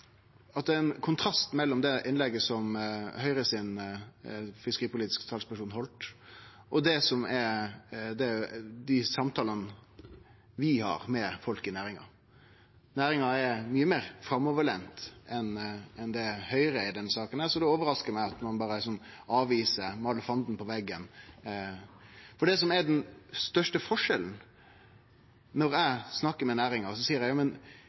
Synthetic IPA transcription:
ɑt̪̚d̪ɛɛnkʰʊnt̪ʰɾɑst̪mɛlːɔmd̪ɛʔɪnlɛɡːəsɔmhœʏɾəsɪn | fɪskəɾiːpʊliːt̪ɪ̥skt̪ʰɑːspæʂuːnɦɔlt̪ | ʔɔd̪ɛsɔmɛ | d̪ɛæd̪ɪsɑmt̪ʰɑːlən | ʋɪhɑ̰ːɾmɛfɔlkɪnæːɾɪŋɑ̰ | næːɾɪŋɑɛɾmyːəmeːɾfɾɑmːɔʋəɭɛnt̪ɛnɛnd̪ɛhœʏɾəɪd̪ɛnːsɑːkənæsɔd̪ɛoːʋəɾɑskəɾmæɪɑt̪mɑnbɑːɾəɪsɔmɑːʋiːsəɾmɑːləfɑnd̪n̩pʰɔʋɛɡːən | fɔɖɛs̬ɔmæɖɛnst̪œʂʈəfɔʂɛln̩ | nɔɾæsnɑkːəɾmɛnæːɾɪŋɑsɔsiːəɾæɪɑmən

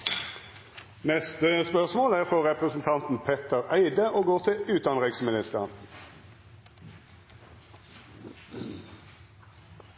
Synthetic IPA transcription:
nɛst̪əspœʁsmoːlæːʁfɔʁɛpʁəsn̩t̪ʰɑnt̪n̩pʰɛt̪ʰəʁæɪd̪əʔoːɡoːʁt̪ʰɪʉːt̪̚d̪ɑnʁɪksmɪnɪst̪əʁn

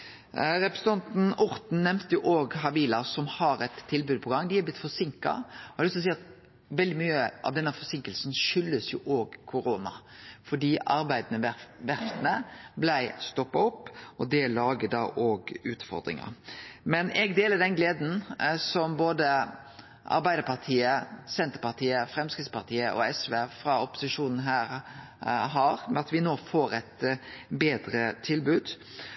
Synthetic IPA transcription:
ɾɛpɾəɛsət̪ɑnt̪n̩ʊɾt̪n̩nɛmt̪əjʊʔoːɡɦɑbiːlɑsɔmhɑɾɛt̪ʰːɪlbʉːd̪̚pʰɔɡɑŋːd̪ɪhɛblɪt̪ːfɔsɪŋkɑ̰ɔhɑlʏst̪ɔsiːɑt̪ | ʋɛld̪ɪmyːəʔɑ̰ʋd̪ɛnːəfɔsɪŋkəlsnʃʏlːəsjʊʔoːɡkʰʊɾoːnɑ̰fɔɖiːʔɑɾbæɪd̪nəʋæɾft̪ənəblæɪst̪ɔpːɑɔpːɔd̪ɛlɑːɡəd̪ɑʔoːɡʉːt̪fɔ̰ɾd̪ɾɪ̰ŋə̰ɾmɛnʔɛɡd̪eːləd̪ɛnɡleːd̪n̩sɔmboːd̪ə | ʔɑ̰ɾbæɪd̪əpɑʁt̪ʰiːəsɛnt̪əɾpɑʁt̪ʰiːəfɾɛmskɾɪt̪spɑʁt̪ʰiːəʔɔ̰ɛsʋeːfɾɑʊpʊ̥sɪʂuːnn̩ɦæːɾ | ɦɑːɾmɛɑt̪ʋɪnoːfoːɾɛt̪beːd̪ɾət̪ʰɪlbʉːd̪

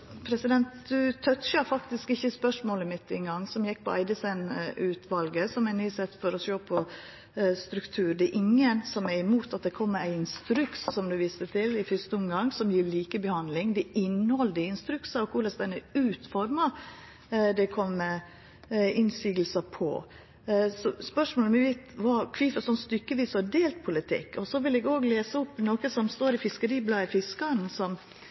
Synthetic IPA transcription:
pʰɾɛsɪd̪ɛnt̪d̪ʉt̪ʰœt̪ɕəɾfɑkt̪ɪskɪçːəspœʂmoːləmɪt̪ːɪnɡɑŋːsɔmjɛk̚ːpʰɔæ̰ɪd̪əsɛnʉːt̪ʰʋɑlɡəsɔmænyːsɛt̪ːfɔɾɔsoːpʰɔ | st̪ɾʉkt̪ʰʉːɾd̪ɛʔɪŋːənsɔmæɾɪmuːt̪ɑt̪̚d̪ɛkʰɔmːæɪɪnst̪ɾʉkssɔmd̪ʉʋiːst̪ət̪ʰɪlɪfʏst̪əɔmɡɑŋːsɔmjiːɾɭiːkəbəhɑnd̪lɪŋd̪ɛɪnːhɔld̪əɪnst̪ɾʉksɑɔkʰʊɾlɑsd̪ɛnəʉːt̪fɔɾmɑ | d̪ɛkʰɔmːɛ | ɪnsiːɡəlsəpʰɔ̰ | sɔspœʂmoːlmɛʋæɪt̪ʋɑkʰʋiːfsɔnst̪ʏkːəʋiːsɑdeːlt̪̚pʰʊlɪt̪ʰɪ̰kːɔsɔʋɪlɛɡoːɡleːsəʊpːnoːkəsɔmst̪oːɾɪfɪskəɾiːblɑːəfɪskɑnsɔm

